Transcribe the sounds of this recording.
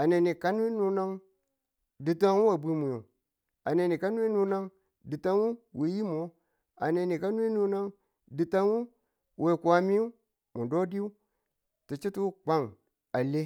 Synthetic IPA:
a˨ne˨ni˨ka˦n˦i˦nu˦na˦ŋ | di˨ta˦ŋ˦u˦a˨bi˦mu˨ju˨ | a˨ne˨ni˨ka˦n˦i˦nu˦na˦ŋ | di˨ta˦n˦u˦wi˨˦ji˦m˨o˦ | a̰˨ne˨ni˨ka˦n˦i˦nu˦na˦ŋ | di˨ta˦nu˦ | wʔe˨ku˨a˨mi˦u˦ | mu˨do˦di˦u˦ | ti˨t͡ʃi˦tu˦k͡pa˦ŋ | a˨le˦

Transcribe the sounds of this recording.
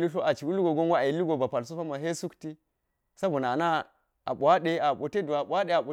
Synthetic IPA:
li˦ɬo˦ʔa˨t͡ʃi˨wu˦li˦ɡo˨ɡo˦ŋ˦wa˦a˨i˨li˦ɡo˨ba˨pa˨ls̬u˦fa˦ma˨ɦe˦su˦kti˦ | sa˦bo˨na˨na˦ | a̰˨ɓʷa˦ɗe˦a˨ɓo˨te˦do˨a˨ɓʷa˦de˨a˨ɓo˨

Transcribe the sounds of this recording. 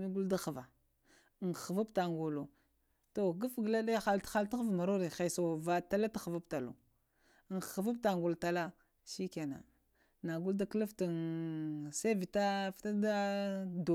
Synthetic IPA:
mi˦ɡu˦lda˦xa˨va˨ | ŋ˨a˨va˦pta˨ŋɡo˨lo˨ | to˨ɡu˦fɡə˨la˦ɗa˦xa˦ltxa˦lta˦xvma˨ɾo˦ɾe˨xe˨so˨va˨ta˦la˦ta˦xa˨va˦pta˨lo̰˨ | ŋ˨xa˨va˦p̚ta˨ŋɡu˨lta˨la˦ | ʃi˦ka˨na̰˨ | na˨ɡu˦lda˦kə˦la˦fta˨n | se˦vi˨ta˦fta˦da˦do˨

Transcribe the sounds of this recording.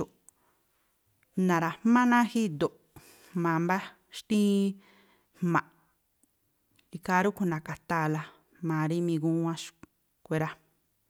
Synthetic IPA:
u˨ | nã˨ɾa˨mã˦nã˦hi˦d̪o˨ʔ | mã˨mba˦ | ʃt̪ĩ˦ | hmã˨ʔ | i˧ka˧˦ɾu˦ku˧nã˨ka˨t̪aː˦˨la˧ | mã˨ɾi˦mĩ˧ɡũ˦ã˦ʃ | kʷe˦˧ɾa˧

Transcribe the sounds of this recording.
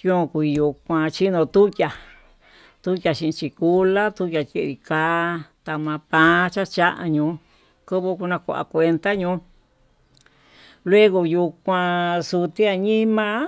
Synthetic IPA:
õ˦˧ku˧i˧ju˧kʷã˧t͡ʃi˦nõ˧t̪u˦jʲa˨ | t̪u˦jja˧ʃĩ˧ĩ˧t͡ʃi˧ku˦la˦t̪u˦jʲa˧ke˧ɾi˧kaː˦t̪a˧mã˧pã˧˦t͡ʃa˦t͡ʃa˦ʔa̰˧ɲũː˧˦ | kɨ˦βu˧ku˧nã˧kʷa̰˧ʔa̰˧˨kʷe˧nt̪a˦ɲũ˧˦ | lwe˦ɣo˧ju˧kʷã˧su˧t̪i˦a˧ɲĩ˦mã˧

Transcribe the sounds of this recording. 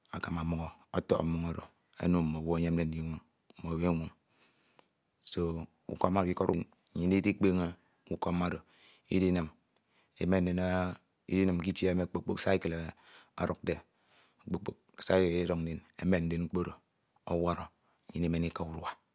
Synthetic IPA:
a˨ka˨ma˨mo˨ɡo˨o˦to̰˨kmu˨ŋo˦ɾo˨ | ḛ˦no˦˨mo˨wo˦ɲe˦m̩˦de˦n̩˦di˦ŋʷo˨ŋ̩˨ | mo˨we˦ŋʷu˨ŋ | so˦ | ṵ˨ko˦ma˦ɾo˨ki˦ko˦ɾu˦n˨ | ɲi˨ni˦di˦k͡pe˦ŋe˦ | u˦ko˦ma˦ɾo˨ | ḭ˦di˦ne˨m | ḛ˨me˦n̩˦e˨n˦ | ḭ˦di˦ne˨mki˦ti˦e˦me˦˨k͡po˨k͡po˦˨ksa˦i˦ke˨l | a̰˨ɾu˨k̚de˨ | k͡po˨k͡po˨k̚sa˦kli˦ɾo˨kn̩˦de˨ne˨me˦n̩˦de˦n̩˦k͡po˦ɾo˨ | o˦wa˦ɾo˨ | ɲi˨ne˦me˨ni˦ka˦u˦ɾa˨

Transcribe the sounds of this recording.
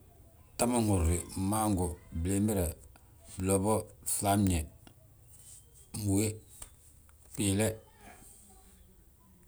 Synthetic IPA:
ta˦ma˦ŋu˨ɾːi˨ma˦ŋɡu˨ble˨mi˦ɾɛ˨ | blɔ˨bɔ˦sa˦mɲɛ˨ | mu˨we˦ | piː˨lɛ˦

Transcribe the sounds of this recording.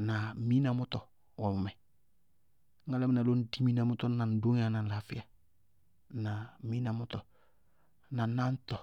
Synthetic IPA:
na˨mi˦na˨mʊ˦tɔ˨ | wɔ˨m˨mɛ˨ | ŋ̩˦a˦la˦m˨˦na˨lo˦n̩˦di˦mi˦na˨mʊ˦tɔ˦na˨n̩˨˦do˦ŋ˦a˨na˨n̩˨la˨fɪ˦a˨ | na˨˦mi˦na˨mʊ˦tɔ˨ | na˨˦na˦n̩˦tɔ˨

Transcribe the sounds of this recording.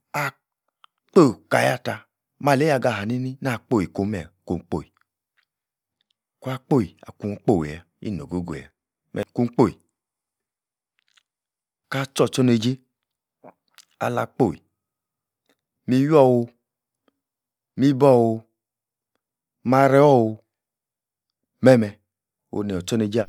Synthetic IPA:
a˨ | k͡po˦˨ka˨ja˦ta˧ | ma˨le˦a˧˨ɡa˧˨ɦa˨ni˦ni˦na˦˨k͡po˦˨i˨ko˧mɛ˨ko˧˨˦k͡po̰˨i˨ | ku˦a˧k͡po˦˨ji˨a̰˨ku˧ŋ˦k͡po˦˨wja˨ | ḭ˦˨no˨ɡo˦ɡo̰˨ja̰˨ | mɛ̰˨ku˧ŋ͡mk͡po˦˨i˨ | ka˦t͡ʃɔ˦˨t͡ʃɔ˦ne˧d͡ʒe˦ | a̰˨la˧˨k͡po˦˨ḭ˨ | mi˧jɔ˦˨wu˧ | mi˦bɔ˦˨wu˧ | ma˧˦ɾɛ˦wɔ˦˨wu˧ | mɛ˦˨mɛ˧ | o̰˧ne˨ɔ˨t͡ʃɔ˦ne˧d͡ʒe˦˨

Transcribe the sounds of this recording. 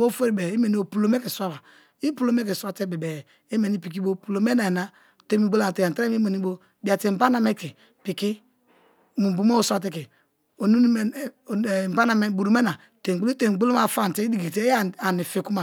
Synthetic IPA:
o˦fo˦ɾi˨bɛ˨i˦me˨ni˦o˨pu˨lo˨me˦ki˨sa˦ba˨ | i˦pu˦lo˨me˦ki˨sa˨te˦bɛ˨bɛ˨ | i˦me˨ni˦pi˨k̬i˦bo˦pu˨lo˨me˦na˨i˨na˦ | te˦mi˨ɡ͡bo˦la˦˨te˨a˨te˦i˦me˨ni˦bo˦ | bi˨a˨ti˨m̩˨ba˦na˨me˦ki˨ | pi˨ki˦ | mu˨bu˨mo˦o˨sʷa˨t̬ɛ˦ki˨ | o˨nu˦˨ | m˨ba˦na˨me˦bu˨ɾu˨me˦na˨ | te˨ɡ͡bli˦te˨ɡ͡bu˦lo˦ma˦˨fa˦˨n˨te˦i˦di˦˨ɡi˨te˦˨a˨ni˨fi˨ku˦ma˨

